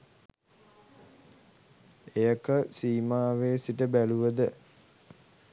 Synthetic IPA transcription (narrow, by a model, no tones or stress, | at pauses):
ejəkəsiːmaːʋeːsiʈəbæluʋəd̪ə